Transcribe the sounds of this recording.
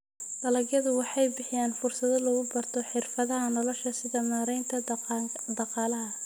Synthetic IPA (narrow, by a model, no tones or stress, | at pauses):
ɖɐlɐɡjɐðʊwɑħɑjbɪħɪjaːnfʊrsɐðɔlɔɣʊbɐrt̪ʰɔħɪrfɐðɐɦɐnɔlɔʃɐsɪðɐmaːɾɛjnt̪ʰɐd̪ɑqɑːlɐɦɐ